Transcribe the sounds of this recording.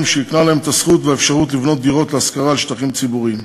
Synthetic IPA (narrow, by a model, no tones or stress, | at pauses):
mʃeiknalaemet̪asχut̪veefʃaʁut̪̬livno̞t̪̚d̪iʁo̞t̪leaskaʁaːlʃt̪aχimt͡sibuʁim